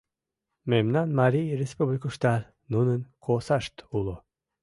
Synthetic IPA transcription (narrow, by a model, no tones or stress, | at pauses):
memnanmaɾiɾespublʲikuʃt̪al | nunɨnkʰosaʃt̪ulˠu